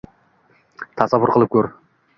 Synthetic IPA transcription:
t̪ʰɑsɑβʊɾqʰəlˠəp̚kʲʰɵɾ

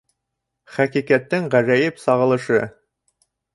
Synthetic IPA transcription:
χækikæt̪ːɘŋʁæzæjɘpsɑʁɤ̆lˠɤ̆ʃɤ

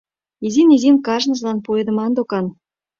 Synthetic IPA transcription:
izinizinkɑʒnə̆zlɑnpoed̪ə̆mɑnd̪okɑn

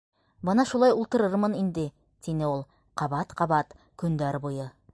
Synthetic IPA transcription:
bɤnɑʃulˠɑjulˠt̪ɤ̆ɾɤɾmɤnind̪ɘ | t̪ʰinɘolˠ | qʰɑβɑt̪qʰɑβɑt̪ | kɵ̆nd̪æɾbujɤ

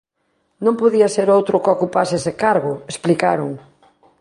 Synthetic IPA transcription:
nõmpoðiɐseɾowt̪ɾʊkokupasesɪkaɾɣʊesplikaɾʊŋ

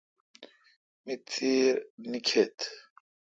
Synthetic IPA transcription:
mit͡siːɾnikʰet̪ʰ

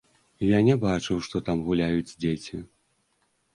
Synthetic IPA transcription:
janʲɛbat͡ʂɨwʂt̪ɔt̪amɣulʲajud͡zʲd͡zʲet͡sʲi

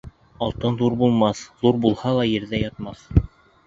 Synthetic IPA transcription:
ɑlˠt̪ɤnðuɾbulˠmɑθðuɾbulˠhɑlˠɑjɘ̆ɾðæjɑt̪̚mɑθ

